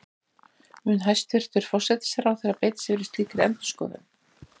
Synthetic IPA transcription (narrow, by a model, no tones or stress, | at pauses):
mʏnɦajst̪ɪɾ̥t̪ʏɾ̥fɔr̥sɛt̪ɪ̥sɛɾawθeɾaðpeːjt̪ɪ̥sɪvɛɾɪst̪liːkɪɾɛ̰mt̪ʏ̥skɔ̰ːðɪ̰n